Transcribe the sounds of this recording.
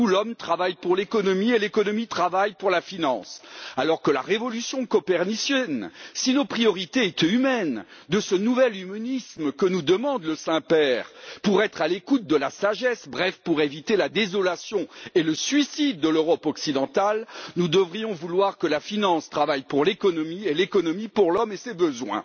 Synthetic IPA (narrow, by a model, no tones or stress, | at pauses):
ulɔmt̪χavajpuʁlekɔnɔmielekɔnɔmit̪χavajpuʁlafinɑ̃salɔʁkəla̰ʁevɔlysjɔ̃kɔpɛʁnisjɛnsinopχijɔʁit̪eɛt̪ymɛnd̪əsənuvɛlymɔnismkənud̪əmɑ̃d̪ləsɛ̃pɛʁpuʁɛt̪χalekut̪̚d̪əlasaʒɛsbʁɛfpuʁevit̪elad̪ezɔlasjɔ̃eləsɥisid̪̚ːəløʁɔpɔksid̪ɑ̃t̪alnud̪əvʁijɔ̃vulwaʁkəlafinɑ̃st̪χavajpuʁlekɔnɔmielekɔnɔmipuʁlɔmesebəzwɛ̰̃